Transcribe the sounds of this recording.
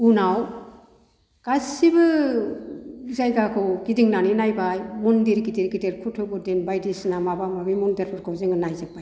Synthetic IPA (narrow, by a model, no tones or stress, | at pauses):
unaw | ɡ̥asibɯ | izajɡakʰɯwɡ̥idiŋnaninajbajmundiɾɡitiɾɡiteɾkʰutʰɯbɯdenbajdisnamabamabimundeɾʰɔɾkʰɔwzeŋɯnajzɯk̚baj